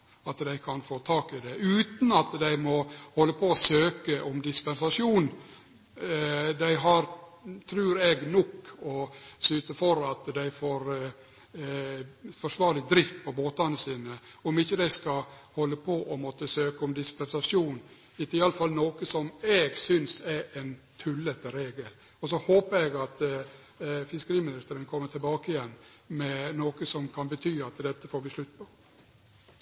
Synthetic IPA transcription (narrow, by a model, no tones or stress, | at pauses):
ɑt̪d̪æɪkʰɑnfoːt̪ʰɑːkɪd̪ɛʔʉːt̪n̩ɑt̪d̪æɪmɔhɔlːəpʰɔɔsøːkəʔɔmd̪ɪspɛnsɑʂjuːn | d̪æɪɦɑɾt̪ʰɾʉːɾɛɡnɔkːɔsʉːt̪əfɔɾɑt̪d̪æɪfoːɾ | fɔʂʋɑːɾlɪd̪ɾɪft̪̚pʰɔboːt̪ɑnəsiːnə | ɔmɪçːəd̪æɪskɑhɔlːəpʰɔʔɔmɔt̪ːəsøːkəɔmd̪ɪspɛnsɑʂjuːn | ɪt̪ɪɑləfɑlnoːkəsɔmɛːɡsʏnsɛɾɛn | t̪ʰʉlːɛt̪əɾeːɡəl | ɔs̬ɔhoːpəɾɛɡɑt̪ | fɪskəɾiːmɪnɪst̪əɾənkʰɔmːəʈʰɪlbɑːkəɪjɛnː | mɛnoːkəsɔmkʰɑnbət̪ʰyːɑt̪d̪ɛt̪ːəfoːɾbɪsʂlʉt̪ːpʰɔ